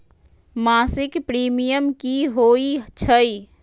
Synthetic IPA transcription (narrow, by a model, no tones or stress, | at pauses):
maːsɪkpɾiːmijəmkiɦoːit͡ʃʰəi